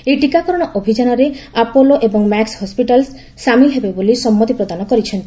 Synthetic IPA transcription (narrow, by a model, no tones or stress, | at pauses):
eʈikakɔɾɔɽ̃ɔʔobʱid͡ʒanɔɾeapoloʔebɔŋmakshɔspiʈalsː | amiɦebebolisɔmːɔt̪ipɾɔd̪anɔkɔɾit͡ʃʰɔnt̪i